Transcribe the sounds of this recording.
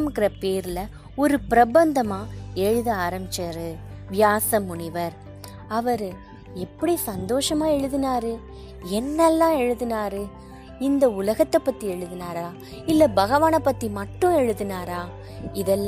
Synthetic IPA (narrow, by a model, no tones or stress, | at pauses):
mɯkːɪɾɐpeːɾɯlɐ | ɔɾɯpɪɾɐbɐnd̪ɐmaːɛɻɯðɯaːɾɐmbɪt͡ʃːɐɾɯʋɪjaːsɐmʊɳɪʋɐɾ | ɐʋɐɾɯ | ɛpːɐɽisɐnd̪oːʂɐmaːɛɻɯðɯnaːɾɯ | ɛnːɛlːãːɛɻɯðɯnaːɾɯ | ɪnd̪ɐʊlɐɣɐt̪ːɐpːɐt̪ːiɛɻɯðɯnaːɾaː | ɪlːɐbɐɣɐʋaːnɐpːɐt̪ːimɐʈːʊ̃ɛɻɯðɯnaːɾaː | ɪðɛlː